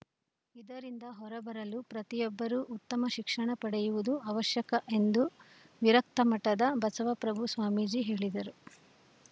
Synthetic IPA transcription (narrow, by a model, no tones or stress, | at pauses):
id̪ɐɾind̪ɐɦɔɾɐbɐɾɐlupɾɐt̪ijɔbːɐɾuʔːt̪ːɐmɐʃikʂɐɳɐpɐɽɛjuʋud̪uɐʋɐʃjɐkɐʔe̞nd̪u | ʋiɾɐk̚t̪ɐmɐʈɐd̪ɐbɐsɐʋɐpɾɐbʱusʋaːmid͡ʒiɦe̞ːɭid̪ɐɾu